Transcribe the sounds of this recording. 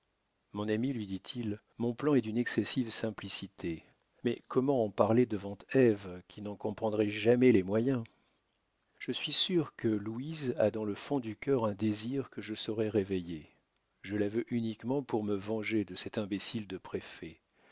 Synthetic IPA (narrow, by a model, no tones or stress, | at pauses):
mɔ̃namilɥid̪it̪ʰil | mɔ̃plɑ̃ɛd̪ynɛksɛsivsɛ̃plisit̪ʰe | mɛkʰɔmɑ̃ːpaʁled̪əvɑ̃t̪ɛvkʲʰinɑ̃kɔ̃pχɑ̃d̪ʁɛʒamɛlɛmwajɛ̃ | ʒ̥əsɥisyʁkəluiza̰d̪ɑ̃ləfɔ̃d̪ykʲœʁɛ̃d̪eziʁkəʒəsɔʁɛʁeveje | ʒəlavøʔynikmɑ̃puʁməvɑ̃ʒed̪əsɛt̪ɛ̃besild̪əpχefɛ